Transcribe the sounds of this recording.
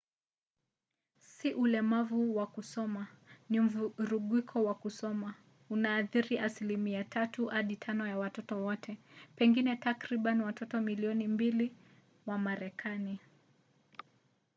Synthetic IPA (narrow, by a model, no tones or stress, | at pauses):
siʔulɛmavuwakusɔmanim̩vɾuɠwikʰɔwakusɔma | unaːθiɾiʔasilimiatʰatuhaɗitʰanɔjawatɔtɔwɔtʰɛpɛŋɡinɛtakɾiɓaniwatɔtɔmiliɔnimbili | wamaɾɛkʰani